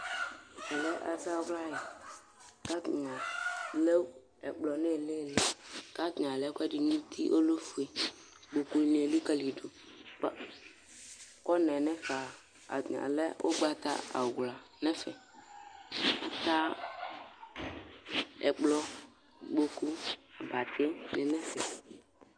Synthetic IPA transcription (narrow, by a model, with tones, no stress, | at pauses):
ɛ˨lɛ˦ʔa̰˨ta˦wla˦e˨ | ka˦tɲa˨le˦u˦ | ɛ˨k͡plɔ˨nɛ˦˨le˦˨le˨ka˦ɡɲa˨lɛ˦kʷɛ˦di˨ɲũ˦t̪ʰḭ˦ʔo˦lo˦fu˨e˨ | ɡ͡bo˨ku˨ne˨e˨li˦ka˦li˨do˨k͡pa˦ | kɔ˦nɛ˨nɛ˦fa˨ | a̰˨a̰˨lɛ˦o̰˦ɡ͡ba˦ta̰˦a̰˨ɡla˨nɛ˦fɛ˨ | a˨ta˦ | ɛ˨k͡plɔ˦ | ɡ͡bo˨ku˦˨ba˨tʰɪ˦nɪ˨nɛ˦fɛ˨